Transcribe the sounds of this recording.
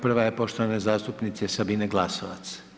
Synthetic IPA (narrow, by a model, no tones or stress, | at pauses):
pr̩ʋajepo̞ʃt̪oʋanezaːst̪upnit̪sesabineɡlˠasoʋat̪s